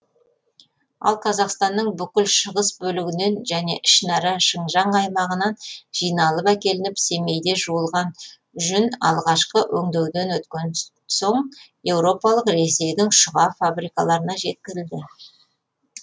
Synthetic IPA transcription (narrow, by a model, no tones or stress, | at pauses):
ɑ̰lˠqʰɑzɑqst̪ɑnːəɴbʏkʲɪlʃəʁəsbɵlɪɡʲɪne̞nʒæne̞ʔɪʃnɑɾɑʃəɴʒɑɴɑjmɑʁənɑnʒ̥ijnɑlˠəpækʲe̞lɪnɪpse̞me̞jd̪e̞ʒuəlˠʁɑn | ʒʏnɑ̰lˠʁɑʃqəwʔɵŋd̪ewd̪e̞nwɵt̪kʲe̞n | so̞ɴ | je̞wɾo̞pɑlˠəqɾe̞se̞jd̪ɪŋʃʊʁɑfabɾijkɑlˠɑɾənɑʒe̞t̪̚kʲɪɾɪld̪ɪ